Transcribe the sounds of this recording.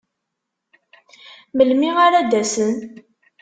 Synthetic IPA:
məlmiʁaɾæd̪æsən

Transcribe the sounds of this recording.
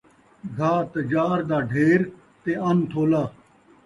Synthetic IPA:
ɡʱaːt̪əd͡ʒaːɾd̪aːɖʱeːɾ | t̪eːənt̪ʰoːlaː

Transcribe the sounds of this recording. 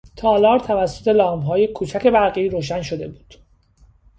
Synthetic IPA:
t̪ʰɒːlɒːɾt̪ʰævæsːo̞t̪ʰe̞lɒːmɦɒːje̞kʰuːt͡ʃʰæce̞bæɾɣiːɾoːʃ̬ænʃod̪e̞buːd̪̥

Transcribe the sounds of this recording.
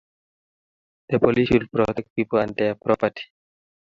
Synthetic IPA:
d̪̥əpɔliswil̚pɾɔtɛk̚t̚piːpəlãnd̪ɛpɾɔpəti̥

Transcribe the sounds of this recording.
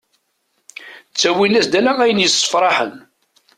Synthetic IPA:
t͡sːæwinæsd̪ælææjənjəsˤːə̥fɾˤɑħə̰n

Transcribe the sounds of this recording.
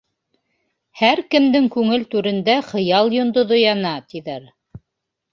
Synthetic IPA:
hæɾkɘ̆md̪ɘŋkʉŋɘlt̪ʉɾɘ̆nd̪æχɤ̆jɑlˠjŏnd̪oðojɑnɑt̪iðæɾ

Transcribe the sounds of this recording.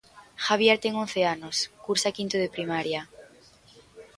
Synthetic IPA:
xaβ̞jeɾt̪eŋonθeanoskuɾsakint̪oðepɾimaɾja

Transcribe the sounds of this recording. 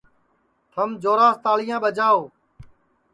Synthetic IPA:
t̪ʰəmd͡ʒoːɾaːst̪aːlɪjãːɓəd͡ʒaːoː

